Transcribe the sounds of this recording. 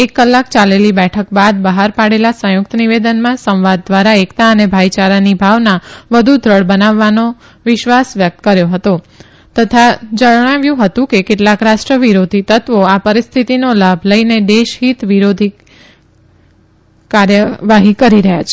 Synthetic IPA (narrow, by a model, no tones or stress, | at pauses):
ekːəlːakt͡ʃalelibɛʈʰəkbad̪bəɦaɾpaɽelasə̃jʊk̚t̪əniʋed̪ənmãsə̃w̃ʋad̪̚ːʋaɾaekt̪aənebʱajt͡ʃaɾanibʱaʋnaʋəd̪ʱud̪ʱɾəɭbənaʋːano | ʋɪʃʋasʋjək̚t̪əkəɾjoɦət̪o | t̪ət̪ʰad͡ʒəɳaʋjũɦət̪ũkekeʈlakɾasʈɾəʋiɾod̪ʱit̪ət̪ʋoapəɾist̪ʰit̪inolabʱləined̪eʃɦit̪ʋiɾod̪ʱi | kaɾjəʋaɦikəɾiɾəɦja̰t͡ʃʰe̥